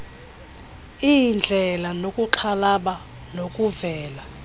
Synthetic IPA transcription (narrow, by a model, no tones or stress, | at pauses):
ijnd͡ɮʱɛlanokʼuǃʰalaɓa | nokʼuvɛːla